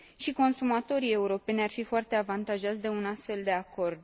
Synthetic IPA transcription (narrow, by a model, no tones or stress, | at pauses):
ʃiko̞nsumat̪o̞ɾie̞uɾo̞pe̞nʲarfifoart̪e̞avant̪aʒat̪sd̪e̞unast̪fe̞ld̪e̞ako̞rd̪